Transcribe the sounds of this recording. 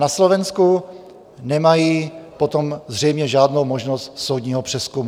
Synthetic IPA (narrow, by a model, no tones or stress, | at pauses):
naslovɛnsku | nɛmajiːpot̪omzr̝ɛjmɲɛʒaːdnowmoʒnost̪sowdɲiːɦopr̥ɛskumu